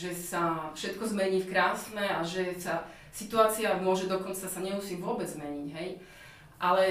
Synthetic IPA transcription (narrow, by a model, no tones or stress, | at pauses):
ʒɛsafʃɛt̪kɔzmɛɲiːfkɾaːsnɛaʒɛsa | sit̪uaːt͡siamʊɔʒɛd̪ɔkɔnt͡sasaɲɛmusiːʋʊɔbɛd͡zzmɛɲiɟɦɛj | ʔalɛ